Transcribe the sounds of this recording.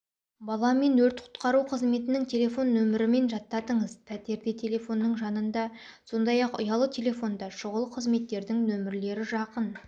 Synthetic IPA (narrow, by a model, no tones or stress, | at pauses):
bɑlˠɑme̞nwɵɾt̪qʰʊ̥t̪qɑɾuqʰəzme̞t̪ɪnɪŋt̪ʲʰe̞lʲe̞fo̞nːɵmɪɾɪme̞nʒɑt̪ːɑd̪əɴəzpʰæt̪e̞ɾd̪et̪ʲʰe̞lʲe̞fo̞nːəɴʒɑnənd̪ɑso̞nd̪ɑjɑqʊ̰jɑlˠət̪ʲʰe̞lʲe̞fo̞nd̪ɑʃʊʁəlˠəqʰəzme̞t̪ːe̞ɾd̪ɪŋnɵmɪɾle̞ɾɪʒɑqən